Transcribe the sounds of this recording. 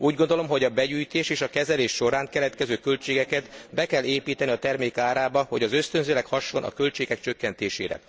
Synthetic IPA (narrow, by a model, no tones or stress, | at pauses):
uːɟɡo̞nd̪o̞lo̞mɦo̞ɟɒbɛɟyːjt̪eːʃeːʃɒkɛzɛleːʃːo̞ɾaːŋkɛlɛt̪kɛzøːkølt͡ʃeːɡɛkɛt̪bɛkɛlːeːpiːt̪ɛniɒt̪ɛrmeːkaːɾaːbɒho̞ɟɒzø̞st̪ønzøːlɛkhɒʃːo̞nɒ̰kølt͡ʃeːɡɛk̚t͡ʃø̞kːɛnt̪eːʃḛːɾɛ̰